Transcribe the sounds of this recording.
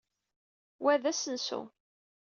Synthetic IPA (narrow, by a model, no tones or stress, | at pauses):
wæðæsənsṵ